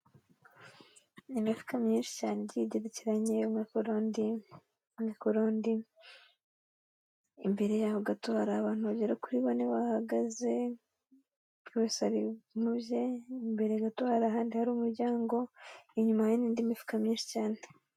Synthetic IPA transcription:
nimifu̥kamɲiːnʃi̥caːnejiɟeɾeciɾaɲe̞umikuɾondi | mikuɾondi | mbe̞ɾe̞jahoɡatohaɾaːβaːn̥huβabɟeɾakuɾiβoneβahaɡaze̞ | uβeshaɾimubje̞imbe̞ɾe̞ɡatohaɾaːɦaːndihaɾuːmuɾɟaːŋɡo̞iɲumajeniːndiːmifu̥kamɲiːnʃi̥caːne

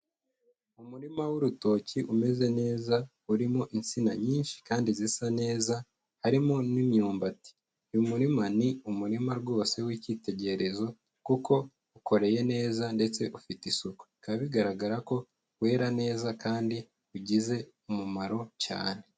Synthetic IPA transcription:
umuɾimawuɾuto̞ːciʔume̞ze̞ne̞ːza | uɾimo̞ʔint͡sinaɲiːnʃi̥kaːndizisane̞ːza | haɾimonimɲuːmbati̥ | jumuɾimaniumuɾimaɾɡo̞ːse̞wiciːte̞ɟe̞ɾe̞zo̞ | kuko̞ | ukʰo̞ɾe̞je̞ne̞ːzande̞t͡se̞ʔufitisuko̥kaβiɡaɾaɡaɾako̞ | we̞ːɾane̞ːzakaːndi | uɟize̞ | umumaɾo̞ca̰ːne

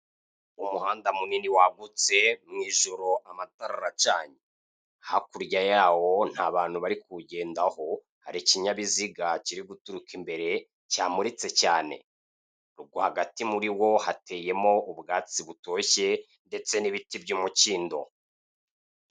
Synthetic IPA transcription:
umuhaːndamuniniwaɡut͡se̞mŋiːʒoɾo̞ʔamataɾaɾat͡ʃaːɲe | hakuɾɟajaːwo̞n̥haːβaːnhuβaɾikuɟe̞ːndaho̞ | haɾiciɲaβiziɡaciɾiɡutuɾukʰimbe̞ɾe̞ | caːmuɾit͡se̞caːne̞̰ | ɾuɡohaɡatimuɾiwo̞hate̞ːje̞mo̞ubɡaːt͡siβuto̞çe̞ | nde̞t͡seniβitibɟuːmuciːndo̞

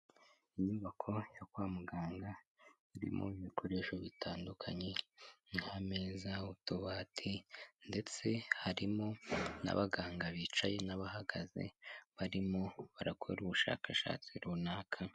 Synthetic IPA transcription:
iɲuβakʰo̞jakwaːmuɡaːŋɡa | iɾḭmʔo̰iβikʰoɾe̞ʃo̞βitaːndukʰaɲe̞ŋhame̞ːzautuβatʰinde̞t͡se̞haɾimo̞na̰βaɡaːŋɡaβit͡ʃaje̞naβaɦaɡaze̞̰βaɾimo̞βaɾako̰ɾuβuʃa̰ːkʰaʃa̰ːt͡siɾunaːkʰa

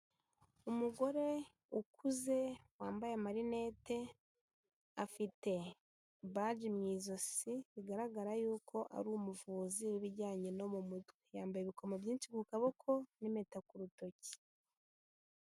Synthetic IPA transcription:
umuɡo̞ɾe̞ | ukʰuze̞waːmbajemaɾine̞ːte̞ | afite̞ | βad͡ʒimɲiːzo̞siβiɡaɾaɡaɾajuːkʰo̞ʔa̰ɾuːmuvuːziɾiβiɾɟaːɲeno̞mumutwejaːmbajeβiko̞mabɟiːnʃikukaβo̞kʰo̞nimetakuɾuto̞ci̥

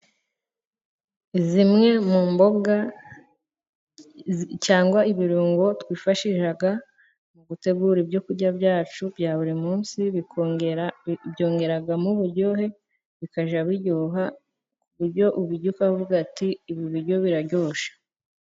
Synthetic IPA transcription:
zimŋe̞muːmbo̞ɡa | caːŋɡwaiβiɾuːŋɡo̞twiːfaʃiʃaɡa | muɡute̞ɡuɾibjo̞kuɾɟabjaːt͡ʃubjaːβuɾimuːnsiβi | bjo̞ːŋɡe̞ɾaɡamuβuɾɟo̞ɦe̞ | βikaʒaβiɟuɦa | kuβuɾɟo̞ʔuβiɟukahoβuɡatiːβiβiɾɟo̞βiɾaɟoːʃḁ

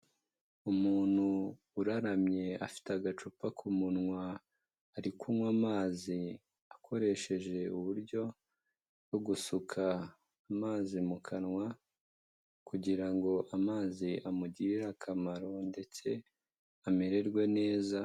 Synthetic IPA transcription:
umuːn̥huː | ɾaɾamɲe̞a̰fi̥teaɡat͡ʃupakʰumunŋwaː | ɾikumwamaːzi | akʰo̞ɾe̞ʃe̞ʒe̞uβuɾɟo̞ | ɡoɡusukʰaː | maːzimukʰanŋwa | kuɟiɾaŋɡo̞ʔamaːziʔamuɟiɾiɾakʰamaɾo̞nde̞t͡se̞ | ameɾe̞ɾɡwe̞ne̞ːza

